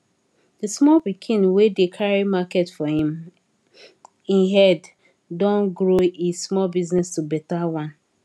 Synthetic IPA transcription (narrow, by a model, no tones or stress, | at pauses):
dəsmɔlpikʰĩnwedekʰaɹimaketfɔhĩm | ĩnɦɛd | dɔ̃nɡɹoismɔlbiznɛstubɛtawãn